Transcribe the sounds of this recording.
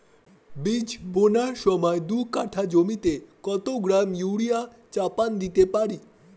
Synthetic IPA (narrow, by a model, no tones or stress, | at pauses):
bid͡ʑbonaɕʋəmajd̪ukaʈʰad͡ʑomit̪ekɔt̪oɡɾamjuwɽija | t͡ɕapand̪it̪epaɽi